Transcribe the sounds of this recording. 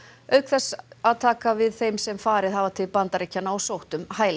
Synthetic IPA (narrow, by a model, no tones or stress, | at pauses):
œɥkθɛsaðt̪ʰaːkavɪðθejmsɛmfaːɾɪðhavat̪ʰɪlpant̪aɾecːanaawsowht̪ʏmhaːjl